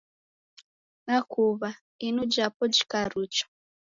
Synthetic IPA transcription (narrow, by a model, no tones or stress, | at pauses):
nakʰuβa | inud͡ʒapɔd͡ʒi̥kaɾut͡ʃɔ̥